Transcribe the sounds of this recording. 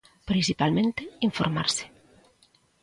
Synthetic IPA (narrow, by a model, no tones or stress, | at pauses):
pɾinsipalmẽnt̪eiɱfo̰ɾma̰ɾsɪ̥